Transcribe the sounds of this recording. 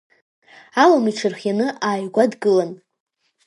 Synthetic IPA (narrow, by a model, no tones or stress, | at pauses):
alamiʈ͡ʂʰɨrχjanɨʔaːjɡʷadɡɨlan